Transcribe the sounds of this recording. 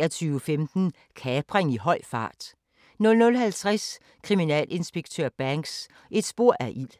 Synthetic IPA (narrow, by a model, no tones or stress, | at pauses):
ɐt͡sʰyːʊəfemd̥n̩ | kʰɛːb̥ʁeŋiɦɒ̽ɪ̰fɑ̈ːd̥ | nɔ̽lnɔ̽lɦælt͡sʰʁas | kʰʁiminɛ̰ːle̝nsb̥e̝ɡ̥̚t͡sʰøɐb̥æŋɡ̥s | e̝d̥sb̥o̝ɐ̰ʔæɐʔil̰